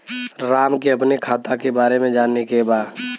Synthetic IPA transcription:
ɾaːmkeɐp̬nekʰaːt̪akebaːɾemẽd͡ʒaːnːekebaː

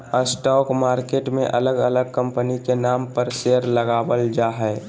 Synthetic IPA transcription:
əsʈɔːkmaːɾkeːʈmḛ̃ʔɐləɡələɡ̚kə̃mpənikenaːmpəɾseːəɾləɡaːwəld͡ʒaːɦɛː

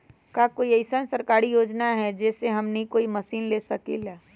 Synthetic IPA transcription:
kakoːiɐɪsənsɐɾkaːɾijoːd͡ʒnaɦɛd͡ʒɛːseɦɐmnɐɦĩkoːimɐsiːnleːsɐkḛːlaː

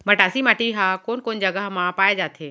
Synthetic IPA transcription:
mɐʈaːsimaːʈiɦaːkoːnkoːnd͡ʒəɡəɦmãpaːed͡ʒaːt̪ʰeː

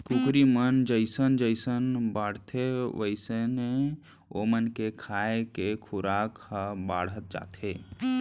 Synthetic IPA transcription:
kukʰɾimənd͡ʒəɪsənd͡ʒəɪsənbaːɽ̤t̪ʰeʋəɪsene | o̰mənkekʰaekekʰʊɾaːkhəbaːɽ̤ət̪̚d͡ʒa̰ːt̪ʰeː

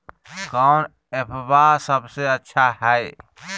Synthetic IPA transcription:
kaʊn | epʰbasəbseətːʃʰaɦɛe

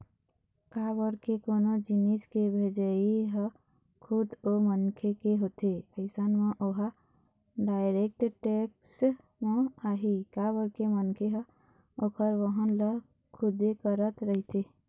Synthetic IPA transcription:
kabəɾkekonod͡ʒiniskebʱed͡ʒəiɦə | kʰud̪omənkʰekeɦoːt̪epəɪsənmẽʔoɦə | ɖaːɪɾek̚ʈʈeks | mẽaːɦikabəɾkemənkʰeɦə | okʰəɾʋəɦə̃nlə | kʰʊd̪ekəɾət̪ɾəɦit̪e

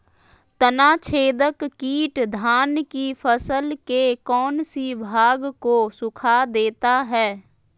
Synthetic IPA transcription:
t̪ənaːt͡ʃʰeːd̪əkːiːʈd̪ʱaːnkifʰəsəlkekɔːnsibʱaːɡkosʊkʰad̪eːt̪aɦɛː

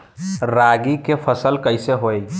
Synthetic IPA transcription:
ɾaɡikepʰəsəlkəɪseɦoj

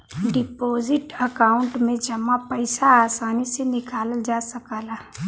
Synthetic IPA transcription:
ɖɪpoːzɪʈɐkaːʊ̃ɳʈmẽd͡ʒɐmapɐɪsaaːsaːnisenɪkaːld͡ʒaːsɐkaːlaː

